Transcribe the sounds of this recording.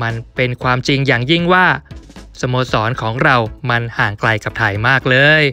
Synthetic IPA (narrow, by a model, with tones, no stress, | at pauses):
ma˧npe˧nkʰwaː˧mt͡ɕi˧ŋjaː˨˩ŋji˥˩ŋwaː˥˩sa˧moː˧sɔː˩˦nkʰɔː˩˦ŋɾa˧wma˧nhaː˨˩ŋkla˧jka˨˩p̚t̪ʰa˨˩jmaː˥˩k̚lɤː˧j